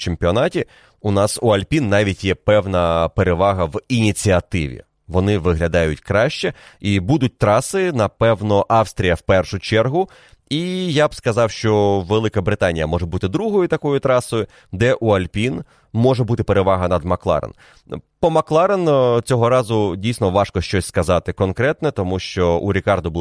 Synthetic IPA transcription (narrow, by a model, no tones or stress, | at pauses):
t͡ʃempʲiɔnɑtʲi | ʊnɑsuɐlʲpʲinːɑʋʲitʲjɛpɛwnɐpeɾeʋɑɦɐʋinʲit͡sʲiɐt̪ɪʋʲḭ | ʋɔnɪʋɪɦlʲɐd̪ɑjʊtʲkɾɑʃt͡ʃɛibud̪ʊt̚ʲt̪ɾɑsɪnɐpɛwnɔʔɑwst̪ɾʲijɐwpɛrʃʊt͡ʃɛrɦʊ | ijabskɐzɑwʃt͡ʃɔʋelˠɪkɐbɾɪt̪ɑnʲijɐmɔʒɛbut̪ɪd̪ɾuɦɔjʊt̪ɐkɔjʊt̪ɾɑsɔjʊ | d̪ɛʔuɐlʲpʲin | mɔʐɛbut̪ɪpeɾeʋɑɦɐnɐd̪mɐklˠɑ̰ɾḛn | pɔmɐklˠɑɾent͡sʲɔɦɔɾɑzʊdʲijsnɔʋɑʃkɔʃt͡ʃɔsʲskɐzɑt̪ɪkɔnkɾɛt̪nɛt̪ɔmuʃt͡ʃɔʔṵɾʲikɑrd̪ʊbʊ